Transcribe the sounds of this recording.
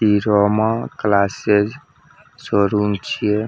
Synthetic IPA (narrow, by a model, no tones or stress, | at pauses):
piɾɔmaklased͡ʒ | sɔɾunt͡ʃʰije